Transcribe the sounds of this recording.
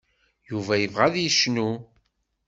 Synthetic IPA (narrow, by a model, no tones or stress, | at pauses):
juvæjəvʁæðjəʃnu